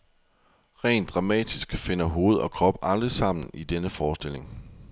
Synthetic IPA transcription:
ʁɛ̰ːnd̥ʁɑ̈mɛ̰ːd̥isɡ̥fe̝n̰ɐɦo̝ːð̞̩ˠɒ̽kʰʁɒ̽b̥ɑ̈ld̥ʁisɑ̈m̰n̩id̥enəfɒːsd̥e̝le̝ŋ

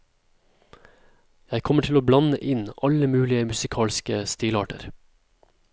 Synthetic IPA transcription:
jæɪkʰɔməʈʰɪloːblɑnəʔɪnʔɑləmʉːlɪəmʉsɪkʰɑːlskəst̪iːlɑːʈə̰ɾ

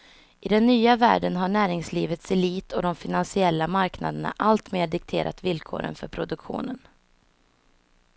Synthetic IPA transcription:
ʔɪd̪ɛnːyːavæ̰ːɖənɦaɳæːɾɪŋsliːvət̪sɛliːt̪ʰɔd̪ɔmfɪnansɪɛlːamaɾkna̰d̪əɳa̰ʔalt̪meːɖɪk̚t̪ʰḛːɾʔa̰t̪vɪlkʰo̰ːɾə̰nfœ̰ɾpʰɾʊd̪ɵkɧṵːnən

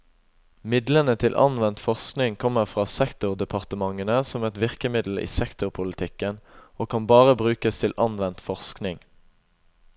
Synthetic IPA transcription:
mɪd̪lənət̪ʰɪlʔɑ̰nʋɛnt̪fɔʁsknɪŋkʰɔmːəʁfʁɑːsɛkt̪ʊʁd̪ɛpʰɑʁt̪əmɑŋːənəsɔmɛt̪ʋɪʁkəmɪd̪l̩ḭːsɛkt̪ʊʁpʰʊlɪt̪ʰɪkːənoːkʰɑnbɑːʁəbʁʉːkəst̪ʰɪlʔɑnʋɛnt̪fɔʁsknɪŋ

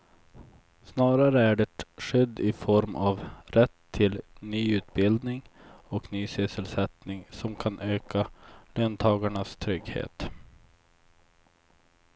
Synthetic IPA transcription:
snɑːɾaɾəæɖɛːʈɧʏd̪ːɪfɔɾmʔavɾɛt̪ʰːɪlnyːʉ̟ːt̪̚bɪld̪nɪŋɔknyːsʏsəlsɛt̪nɪŋsɔmkʰanʔøːkaløːnt̪ʰɑːɡaɳast̪ʰɾʏɡhḛːt̪

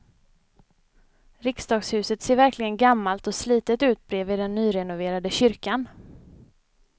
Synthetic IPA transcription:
ɾɪksd̪ɑːɡshʉ̟ːsət̪seːɾvæɾklɪɡənɡamːalt̪ɔsliːt̪ət̪ʉ̟ːt̪̚bɾeːvɪːd̪ɛnːyːɾɛnʊveːɾad̪əɕʏɾkan

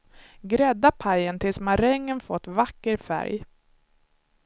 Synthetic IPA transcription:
ɡɾɛd̪ːapʰajənt̪ʰɪlsmaɾɛŋːənfɔt̪ːvakːəɾfæ̰ɾj

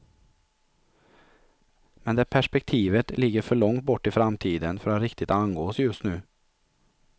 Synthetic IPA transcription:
mɛnd̪ɛæːpʰæʂpɛk̚t̪ʰiːvət̪lɪɡːəɾfœɭɔŋt̪̚bɔʈːɪfɾamt̪ʰiːd̪ənfœɾaɾɪkt̪ɪt̪anɡoːsjɵst̪nʉː

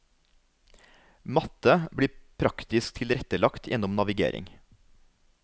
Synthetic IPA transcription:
mɑt̪əbɽiːpʰɾɑkt̪ɪskt̪ʰɪlɾɛt̪əlɑkt̪ʰjʔɛnʊmnɑʋɪɡḛːɾʔɪ̰ŋ

